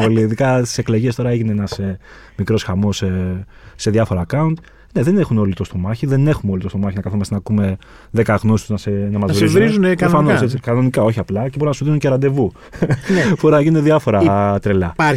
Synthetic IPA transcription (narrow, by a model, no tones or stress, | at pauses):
oliðikɐst̪i̥se̞klo̞ʝe̞st̪o̞ɾɐeʝineenɐse | mikɾo̞sxɐmo̞se | se̞ðɐfo̞ɾɐːkɐunt̪ | ne̞ðe̞ne̞xuno̞lit̪ost̪o̞mɐçiðe̞ne̞xumeo̞lit̪o̞st̪o̞mɐçinɐkɐθumɐsnɐkume̞ | ðekɐɣnosst̪uznɐsenɐmɐzvɾizuvɾizunɾofɐnoseikɐno̞nikɐo̞çiɐplɐcebounɐsuðinunceɾɐnd̪e̞vu | nbo̞ɾunɐʝinuneðɐfo̞ɾɐt̪ɾelɐ